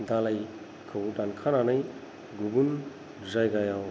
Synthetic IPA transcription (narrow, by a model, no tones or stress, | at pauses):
d̪alaj | kʰəwuʈankʰananɐj | ɡubun | zajɡajaw